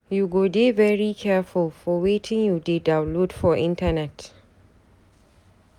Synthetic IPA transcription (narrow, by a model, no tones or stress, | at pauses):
juɡodevɛɹikʰɛfʊlfɔwetʰɪ̃ŋjudedãʊ̃nlodfɔʔɪ̃ntənɛt